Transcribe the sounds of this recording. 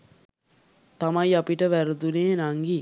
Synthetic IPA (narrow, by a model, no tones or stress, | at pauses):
t̪amajapiʈəʋæɾud̪uneːnaŋɡi